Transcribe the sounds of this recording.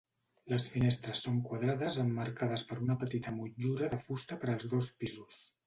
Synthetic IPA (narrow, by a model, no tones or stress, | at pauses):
ləsfinest̪ɾəsːoŋkwaðɾaðəzəmːəɾkað̞əspəɾunəpət̪it̪əmud͡ʒuɾəðəfust̪əpəɾəlˠzðospizus